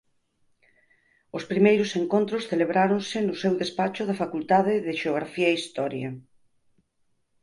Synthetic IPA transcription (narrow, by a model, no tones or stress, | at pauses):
ospɾimejɾʊseŋkõnt̪ɾʊsθeleβɾaɾoŋsɪnʊsewðespat͡ʃʊðɐfakult̪aðɪðɪʃeoɣɾafiɐeist̪ɔɾjɐ